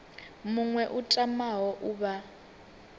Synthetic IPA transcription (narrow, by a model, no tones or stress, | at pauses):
muŋwɛʔutʼamaɦɔʔuβa